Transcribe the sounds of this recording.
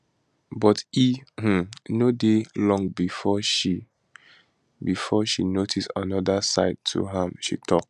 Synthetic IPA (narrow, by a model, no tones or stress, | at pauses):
bɔtih̩nodelɔ̃ŋɡbifɔʃi | bifɔʃinotʰistãnɔdasa̰ɪd̚tʰṵɦãmʃḭtʰɔk̚